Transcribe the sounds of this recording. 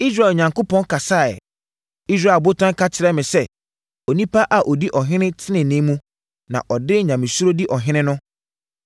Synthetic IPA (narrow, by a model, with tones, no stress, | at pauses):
i˦s̬ɾa˦˨ɛ˨ɲã˨ŋko˦pʰɔ̃˦n˦kʰa˨saː˦˨ɛ̰˨ | i˦s̬ɾa˦˨bo˦tʰã˦ŋ˦kʰa˦tʰɪ˨ɾɛ˦mɪ̃˨sɛ˦ | ɔ˨nĩ˦pa˦ʔa˨ʔɔ˨di˦ʔɔ˨ɦɪ̃˦nɪ̃˦tʰɪ˦nɪ̃˨nɪ̃˦mũ˦ | nã̰˨ʔɔ˨dɪ˦ɲã˨mɪ̃˨su˦ɾo˦di˦ʔɔ˨ɦɪ̃˦nɪ̃˦nʊ̃˦